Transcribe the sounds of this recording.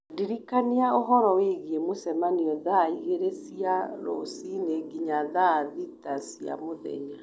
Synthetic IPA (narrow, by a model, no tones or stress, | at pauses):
diɾikaniaoɦɔɾɔweɣiemosɛmaniɔðaiɣeɾesiaɾo̰sineɡiɲaðaðitasija̰moðɛ̰ɲa